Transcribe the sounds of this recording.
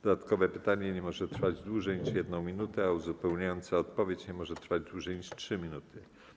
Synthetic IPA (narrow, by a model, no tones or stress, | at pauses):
d̪̥ɔd̪at̪kɔvɛpɘt̪aɲɛɲɛmɔʐɛt̪ɾfad͡ʑd̪wuʐɛjɲiʂjɛd̪nɔ̃w̃mʲinut̪ɛauzupɛwɲajɔnt̪saɔt̪pɔvʲjet͡ɕɲɛmɔʐɛt̪ɾfad͡ʑd̪wuʐɛjɲiʂtʂɘmʲinut̪ʰɘ